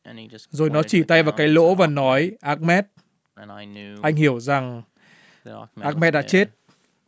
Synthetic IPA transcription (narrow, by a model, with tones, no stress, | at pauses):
zo˨˩jnɔ˨˦t͡ɕi˧˩t̪a˧jvaː˨˩wkaː˨˦jlo̰˧˥vaː˨˩nɔ˨˦jʔaː˦˥k̚mɛ˦˥t̚ | ʔa˧jŋ̟hi˧˩əwza˨˩ŋ | ʔaː˦˥k̚mɛ˦˥t̚ɗa̰˧˥t͡ɕe˦˥t̚